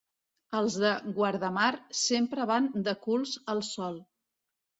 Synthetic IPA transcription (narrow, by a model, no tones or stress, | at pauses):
əlˠzðəɣwəɾð̞əmarsempɾəβand̪əkulˠzəlˠsɔlˠ